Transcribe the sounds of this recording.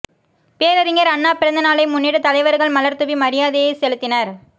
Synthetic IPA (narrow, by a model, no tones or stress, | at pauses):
peːɾɐɾɪŋɡɐɾɐnːaːpɪɾɐnd̪ɐnaːlɐɪmʊnːiːɽɯt̪ɐlɐɪʋɐɾɣɐɭmɐlɐɾt̪ɯʋimɐɾɪjaːðejesɛlɯt̪ːɪnɐɾ